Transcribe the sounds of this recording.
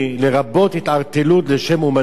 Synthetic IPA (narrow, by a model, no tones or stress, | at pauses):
leʁabo̞t̪hit̪aʁt̪elut̪leʃe̞muma